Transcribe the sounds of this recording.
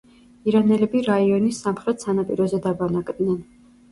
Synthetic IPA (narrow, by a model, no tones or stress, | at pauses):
iɾanɛlɛbiɾaiɔnisːamχɾɛt̪sanapʼiɾɔzɛd̪abanakʼd̪nɛn